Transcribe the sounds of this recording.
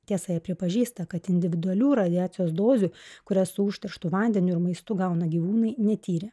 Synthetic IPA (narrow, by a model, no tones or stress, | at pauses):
t̪ʲiɛsɐjɛpʲɾʲɪpɐʒʲiːst̪ɐkɐt̪ɪnʲd̪ʲɪʋʲɪd̪ʊɐlʲuːɾɐd̪ʲɪaːt̪sʲɪjoːsd̪oːzʲuːkʊɾʲɛssʊʊʃʲt̪ʲɛɾʃt̪uːʋɐnʲd̪ʲɛnʲʊɪɾmɐɪst̪ʊɡɐʊnɐɡʲiːʋuːnɐɪnʲɛt̪ʲiːɾʲɪ